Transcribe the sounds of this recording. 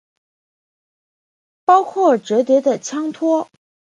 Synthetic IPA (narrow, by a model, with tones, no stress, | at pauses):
pɑ˥ʊkʰwɔ˥˩ʈ͡ʂɤ˧˥t̪jɛ˧˥d̪ə˨t͡ɕʰjɑ˥ŋt̪ʰwɔ˥